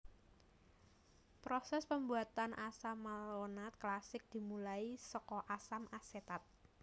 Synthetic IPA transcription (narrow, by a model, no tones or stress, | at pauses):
pɾosɛspəmbuat̪anʔasamːalonat̪̚klasɪk̚d̪̥i̤mulaisɔkɔʔasamaset̪at̪̚